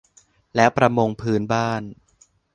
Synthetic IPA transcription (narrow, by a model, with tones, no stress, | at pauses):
lɛ˦˥wpɾa˧mo˧ŋpʰɯː˦˥nbaː˥˩n